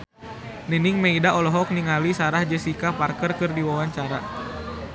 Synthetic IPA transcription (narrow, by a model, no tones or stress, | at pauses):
nəniŋmeidaɔlɔɦɔk̚niŋalisaɾahd͡ʒəsikaparkərkərdiwawaɲt͡ʃaɾa